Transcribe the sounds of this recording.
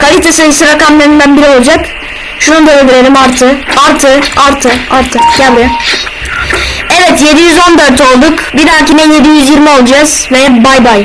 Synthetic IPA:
kʰalʲit̪ʰasevisiɾakamlʲˠeɾind̪ænbiɾio̞lˠad͡ʒak | ʃunud̪eleviɾeɾʲimaɾt̪ʰɯaɾt̪ʰɯaɾt̪ʰɯaɾt̪ʰɯɟabɾʲija | ɛvɛt̪je̞d̪ijyzo̞nd̪ø̞ɾt̪o̞lˠd̪ukbid̪aɾcininje̞d̪ijyzjiɾmio̞lˠd͡ʒaz̥vɛbajbaj

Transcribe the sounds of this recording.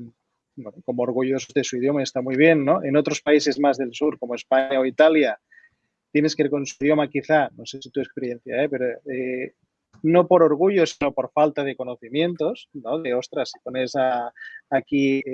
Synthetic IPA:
bwenoko̞moːɾɣ̞uʎosozðe̞suið̞jo̞maest̪amujβ̞je̞nːo̞ʔe̞no̞t̪ɾo̞spaise̞zmazðe̞lsuɾko̞moe̞spaɲaoit̪alja | t̪je̞ne̞skeiɾko̞nsuðjo̞makiθanosesit̪uespe̞ɾjen̟θja̰epe̞ɾoe | no̞po̞ɾoɾɣ̞uʎosino̞po̞ɾfalt̪að̞e̞ko̞no̞θimje̞nt̪o̞sno̞ðeo̞st̪ɾasi̥ponesaː | ki

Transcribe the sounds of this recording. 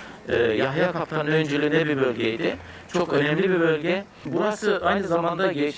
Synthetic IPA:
ɛːjaɦjakʰapt̪ʰanɯønd͡ʒelʲimd̪ɛbibø̞lʲɟʲejd̪ɪ | t͡ʃʰo̞kø̞nɛmlʲibibø̞lʲɟɛ | buɾasɯʔajnɯzamand̪aɟet͡ʃʰ

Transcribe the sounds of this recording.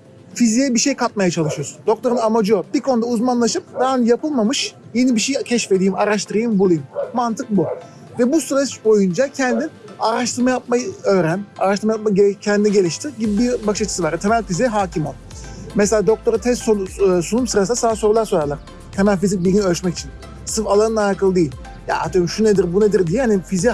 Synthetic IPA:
fizijɛbiʃejkʰat̪̚majat͡ʃʰalˠɯʃɯjoɾd̪o̞k̚t̪ʰo̞ɾɯnamad͡ʒijobikʰonud̪auzmanlˠaʃɯp̚d̪aanjapɯlˠmamɯʃje̞nibiʃecʰɛʃfe̞d̪iːmaɾaʃt̪ʰɯɾɯjɯmbulˠujɯmːant̪ʰɯk̚bu | vɛbusɯɾabo̞jund͡ʒacʰɛnd̪inaɾaʃt̪ɯɾmajap̚majɯøːɾænaɾaʃt̪ɯɾmajap̚maecʰɛnd̪inɛɟe̞lʲiʃt̪ʰiɟibibiɾbakʃat͡ʃʰɯ̥sɯvaɾt̪ʰemælʲfiziɦaːcʰimalˠ | mɛselʲaːd̪o̞k̚t̪ʰo̞ɾat̪ʰɛst̪sosunumsɯɾasɯnasaːso̞ɾulˠaɾsoɾaɾlˠaɾ̥ | t̪ʰemælʲfizic̚bilʲɟinøt͡ʃmɛci̥t͡ʃʰin | sɯfalˠanɯnajɾkʰɯlˠɯd̪ejilʲ | ja̰at̪ʰøimʃuned̪iɾbuned̪iɾd̪ijihanifizi

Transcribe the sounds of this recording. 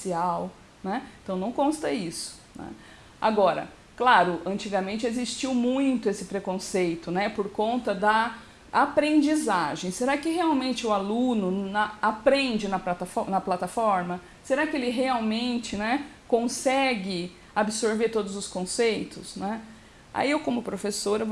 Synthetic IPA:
siaw | nɛẽt̪ɐ̃w̃nɐ̃w̃kõst̪ɐisʊ̥ | nɛ̰ | a̰ɡɔɾɐ̰ | klaɾʊʔɐ̃nt͡ʃiɡɐmẽnt͡ʃɪezist͡ʃiwmũj̃t̪ʊesɪpɾekõsejt̪ʊnɛpoɾkõnt̪ɐd̪ɐ | apɾẽnd͡ʒizaʒẽj̃seɾakɪheawmẽnt͡ʃɪʊalũnʊnɐapɾẽnd͡ʒɪnɐpat̪fnɐplat̪afɔɾmɐ | seɾakɪelɪɦeawmẽnt͡ʃɪnɛkõsɛɡɪ | abɪsoɾveɾt̪od̪ʊzʊskõsejt̪ʊsnɛ | a̰iewkõmʊpɾofesoɾɐ

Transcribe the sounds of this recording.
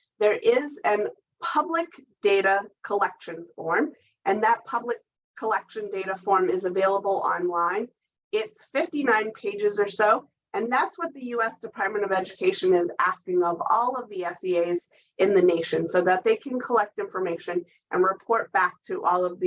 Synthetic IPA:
ðə˞ʔɪzɨ̃n | pʰʌblɨkd̥eɪɾɨkʰəlɛkʃɨ̃nfɔɹm | ʔɨ̃nðɨt̚pʰʌblɨkʰː | əlɛkʃɨ̃ndeɪɾɨfɔɹmɪzɨveɪlˠəbl̩ˠɑ̰̃nlãɪ̃n | ɪtsfɪftinãɪ̃npʰeɪd͡ʒɨzə˞soʊ | ɨ̃nðætswʌt̪̚ðɨjʉɛsd̥ɨpʰɑɹt̚mɨ̃ɾ̃ʌvɛd͡ʒɨkʰeɪʃɨ̃nɪzæskɪ̃ŋʌvɔ̰lˠʌvðiɛsieɪz | ʔɨ̃nðɨneɪʃɨ̃nsoʊðət̪̚ðeɪkʰɨ̃nkʰəlɛk̚tɪ̃ɱfə˞meɪʃɨ̃n | ʔɨ̰̃nɹɨpʰɔɹt̚b̥æk̚tʰɨʔɔlˠʌvð

